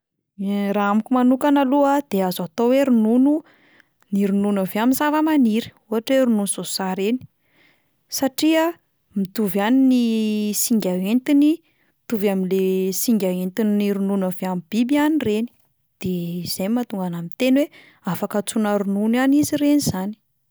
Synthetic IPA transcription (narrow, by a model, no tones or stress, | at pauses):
ɾaamikʲumanukanaluad̪̥eazat̪oweɾununu | niɾununaveaminzavəmaniɾi̥uɦaʈ͡ʂweɾununuzosaɾeni̥ | saʈ͡ʂiə | mit̪uvaninisiŋɡʲaɦent̪ini | it̪uvaminlesiŋɡʲaent̪ininiɾununaveamib̥ibianireni̥ | d̪̥eiz̥ajmat̪uŋɡanamint̪enwe | afakat͡sunaɾununaniziɾenizani̥